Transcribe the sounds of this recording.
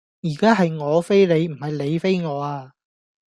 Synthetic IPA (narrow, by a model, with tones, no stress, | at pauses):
jiː˨˩kaː˥ɦɐ˨jŋɔː˨˧fe˥jle˨˧jm̩˨˩hɐ˨jle˨˧jfe˥jŋɔː˨˧aː˧